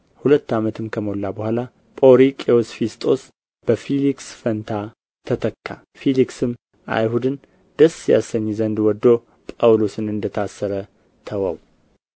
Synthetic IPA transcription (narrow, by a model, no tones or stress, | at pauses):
hulət̪ːamət̪ʰɨmkʰəmolːabəhʷala | pʼoɾikʼeosfist̪ʼo̞s | b̥əfiliksfənt̪ʰa | t̪ʰət̪ʰəkːa̰ | filiksɨm | ʔa̰jhud̪ɨn | d̪̥əsja̰səɲːzənd̪wɔd̪ːo̞ | pʼawlo̞sɨnɨnd̪ət̪ʰasːəɾə | t̪ʰəwə̰w